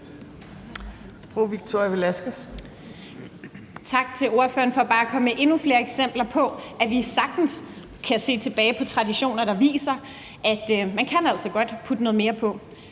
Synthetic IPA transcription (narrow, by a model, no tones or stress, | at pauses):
fʁuʋiɡ̥̚t͡sʰo̰jʋelæsɡ̥əs | t͡sʰɑ̈ɡ̥̚t͡sʰe̝lo̝ɐfø̰ːɐnfɒ̽b̥ɑ̈ːækʰɒ̽məʔe̝nufle̝ːɐeɡ̥sem̰b̥lɐpʰɒ̽ʔæʋisɑ̈ɡ̥̚d̥n̩s | kʰæse̝̰ːt͡sʰe̝b̥ɛːɪpʰɒ̽t͡sʰʁɑ̈diɕo̝̰ːnɐɾ̥ɑ̈ʋḭːsɐ | ʔæd̥mænkʰænæl̰sɒ̽ɡ̥ɒ̽d̥pʰud̥ənɔ̽ðˠme̝ːɐpʰɒ̽